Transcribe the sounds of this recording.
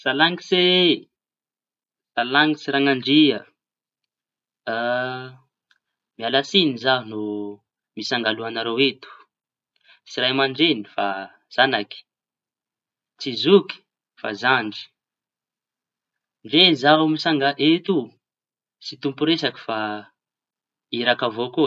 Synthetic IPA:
salaŋise | salaŋisiɾaŋaɳɖ͡ʐiə | mialasinizaɦunu | misaŋɡaluanaɾowet̪u̥ | siɾajmaɳɖ͡ʐenifa | z̥anaki̥ | t͡sizuki̥ | fa̰zaɳɖ͡ʐi̥ | ɳɖ͡ʐezaɦamisaŋɡaʔet̪u | sit̪umpuɾesaki̥fa | iɾakavoku

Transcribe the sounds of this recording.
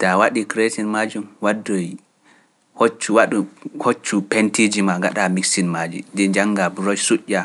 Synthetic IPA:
tawaɗikɾesinmad͡ʒumwadːoj | hot͡ʃːuwaɗuhot͡ʃːupentid͡ʒimaŋɡa̰ɗamiksinmad͡ʒḭdɛd͡ʒaŋːɡabɾɔd͡ʒsuʔʲːa

